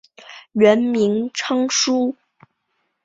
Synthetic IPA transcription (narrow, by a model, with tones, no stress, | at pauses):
ɥə˧˥nmi˧˥ŋʈ͡ʂʰɤ˥ŋʂu˥